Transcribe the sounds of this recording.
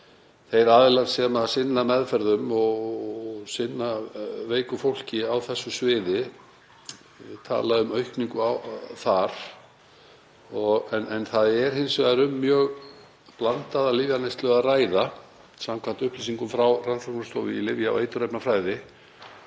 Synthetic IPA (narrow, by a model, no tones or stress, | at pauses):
θejɾaːðɪlansɛmaðsɪnːamɛðfɛɾðʏmɔɣ | sɪnːaveːjkʏfowl̥cɪawθɛsːʏsvɪːðɪ | ɪt̪ʰa̰ːlaðʏmœɥhkniŋkʏawθaɾ̥ | ɔɣɛnɛnθaðɛɾ̥hɪnsvaɾʏmːjœːɣ | plant̪aðalɪːvjanejst̪lœɣaraːjða | samkʰvant̪ʏhpliːsiŋkʏmfɾawranfɔrknast̪oːwvɪ̰ilɪvjaa̰wḛjt̪ʏɾɛjpnafɾaːjðɪ